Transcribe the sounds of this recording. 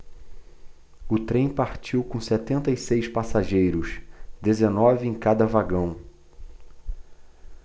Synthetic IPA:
ʊt̪ɾẽj̃paɾt͡ʃiwkõsɛt̪ẽnt̪ɐisejspasaʒejɾʊʃd̪ezenɔvɪẽj̃kad̪ɐvaɡɐ̃w̃

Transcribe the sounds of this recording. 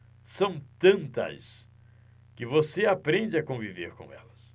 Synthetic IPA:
sɐ̃w̃t̪ɐ̃nt̪ɐ̰s | kɪvoseapɾẽd͡ʒɪakõviveɾkõ̰w̃ɛ̰lɐs

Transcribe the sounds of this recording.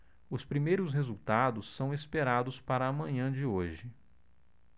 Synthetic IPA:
ʊspɾimejɾʊsɦezuwt̪ad̪ʊsːɐ̃w̃espeɾad̪ʊspaɾɐːmɐ̃ɲɐ̃d͡ʒɪoʒɪ

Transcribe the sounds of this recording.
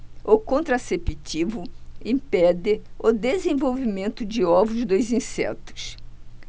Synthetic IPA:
okõnt̪ɾasepit͡ʃivʊĩpɛd̪ɪʊd̪ezẽvowvimẽnt̪ʊd͡ʒɪɔvʊzd̪ojzĩsɛ̰t̪ʊ̥s

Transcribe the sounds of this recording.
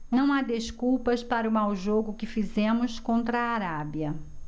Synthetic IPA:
nɐ̃w̃ad̪eskuwpɐspaɾɐʊmawʒoɡʊkɪfizẽmʊskõnt̪ɾɐaːɾabiɐ

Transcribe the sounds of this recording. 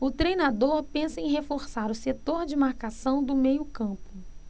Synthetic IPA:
ʊt̪ɾejnad̪oɾpẽsɐẽj̃ɦefoɾsaɾʊset̪oɾd͡ʒɪmaɾkasɐ̃w̃d̪ʊmejʊkɐ̃pʊ

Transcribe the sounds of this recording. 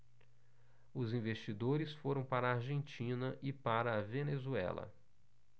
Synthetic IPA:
ʊzĩvest͡ʃid̪oɾɪsfoɾɐ̃w̃paɾɐːɾʒẽnt͡ʃĩnɐʔɪpaɾɐːvenezuɛ̰lɐ̰

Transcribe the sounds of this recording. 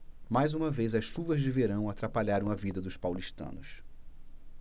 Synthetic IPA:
majzũmɐvejzɐsʃuvɐzd͡ʒɪveɾɐ̃w̃at̪ɾapaʎaɾɐ̃w̃ɐvid̪ɐd̪ʊspawliʃt̪ɐ̰̃nʊs

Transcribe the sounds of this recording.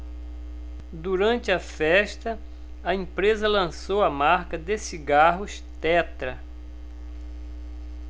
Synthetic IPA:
d̪uɾɐ̃nt͡ʃ̪ɪɐfɛʃt̪ɐ | ɐẽpɾezɐlɐ̃sowɐmaɾkɐd̪esiɡaɦʊs | t̪ɛt̪ɾɐ

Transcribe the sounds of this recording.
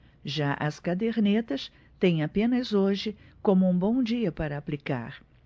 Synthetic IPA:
ʒaʔɐskad̪eɾnet̪ɐs | t̪ẽj̃apẽnɐzoʒɪkõmʊũbõw̃d͡ʒiɐpaɾɐːplika̰ɾ

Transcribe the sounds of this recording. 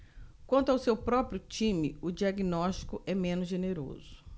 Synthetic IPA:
kwɐ̃nt̪ʊawsewpɾɔpɾjʊt͡ʃĩmɪʊd͡ʒiaɡinɔst͡ʃi̥kʊʔɛmẽnʊzʒeneɾo̰zʊ

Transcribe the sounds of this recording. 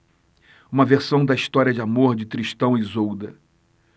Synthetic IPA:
ũmɐveɾsɐ̃w̃d̪ɐiʃt̪ɔɾiɐd͡ʒɪamoɾd͡ʒɪt̪ɾiʃt̪ɐ̃w̃ɪzowd̪ɐ

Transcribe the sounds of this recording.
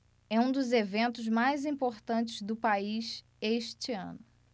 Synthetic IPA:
ɛũd̪ʊzevẽnt̪ʊzmajzĩpoɾt̪ɐ̃t͡ʃɪzd̪ʊpaiʃ | eʃt͡ʃiɐ̰̃nʊ

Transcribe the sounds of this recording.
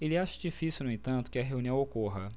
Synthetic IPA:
elɪaʃɐd͡ʒifisiwnʊẽt̪ɐ̃nt̪ʊ̥kɪɐɦeũniɐ̃w̃okoɦɐ

